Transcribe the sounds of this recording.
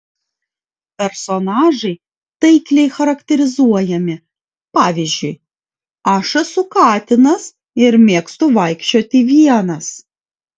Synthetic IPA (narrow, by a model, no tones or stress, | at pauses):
pʲɛɾsɔnɑːʒɐɪ | t̪ɐɪkʲlʲɛɪxɐɾɐkt̪ʲɛɾʲɪzuɔjɛmʲɪ | pɑːʋʲizʲd͡ʒʲʊj | ɑʃɐsʊkɑːt̪ʲɪnɐs | ɪɾmʲeːkst̪ʊʋɐɪkʃʲt͡ʃʲoːt̪ʲɪʋʲiɛnɐs